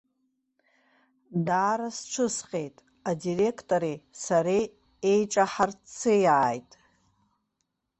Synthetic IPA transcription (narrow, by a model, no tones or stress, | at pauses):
daːɾasʈ͡ʂʷʰɨsqʲʼe̞jtʼ | adire̞kʰtʼoɾisaɾe | ejʈ͡ʂʼaħart͡sʰɨjaajtʼ